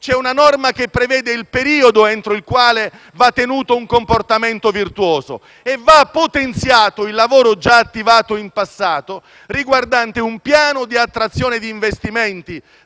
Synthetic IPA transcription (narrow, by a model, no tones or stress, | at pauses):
t͡ʃɛunanɔrmak̟epːɾevɛːd̪eilpeɾiːod̪oɛnt̪ɾoilkwaːle | vat̪ːenuːt̪ouŋkomport̪amɛnt̪ovirt̪wɔːzo̰ | evːapːot̪ent̪sjaːt̪oilːavoːɾod͡ʒaːt̪ːivaːt̪oimpasːaːt̪o | riɡward̪ant̪eumpjaːnod̪iat̪ːɾat̪sːjoːned̪iːɱvest̪imɛnt̪i